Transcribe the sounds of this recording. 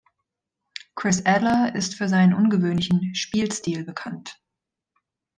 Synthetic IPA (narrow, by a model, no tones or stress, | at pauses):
kʁ̥ɪsʔɛdlɐɪstfyːɐzaɪnənʔʊnɡəvøːnlɪçn̩ʃpiːlstiːlbəkʰant